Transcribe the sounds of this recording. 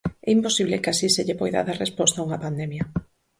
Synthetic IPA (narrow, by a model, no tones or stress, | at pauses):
ɛimposiβlekasiseʎepojða̰ðarespɔst̪auŋɐpand̪ɛmjɐ